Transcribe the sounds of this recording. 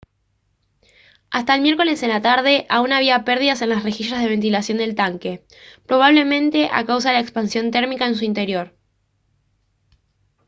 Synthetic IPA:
ast̪aelmje̞ɾko̞le̞senlat̪aɾð̞e̞ʔaunaβ̞iapeɾð̞iðase̞nlasre̞xiʃazð̞e̞β̞e̞nt̪ilasjo̞nd̪e̞lt̪aŋke̞ | pɾo̞β̞aβle̞mẽ̞nt̪e̞ʔa̰kaws̬aðelaekspansjo̞nt̪e̞ɾmikaens̬uint̪e̞ɾjo̞ɾ

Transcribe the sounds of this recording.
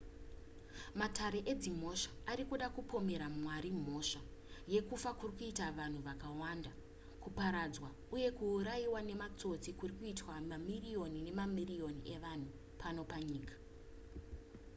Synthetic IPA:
matʰaɾe̞ʔed͡zim̤o̞ʂḁːɾikuɗakupʰo̞me̞ɾamwaɾim̤o̞ʂa | je̞kufakurikuitaʋan̤uʋakawanda | kupaɾad͡zwa | uje̞kuːɾajiwane̞mat͡so̞t͡sikurikuitwamamirijo̞nine̞mamirio̞niʔe̞ʋan̤u | pʰano̞paɲiːkḁ

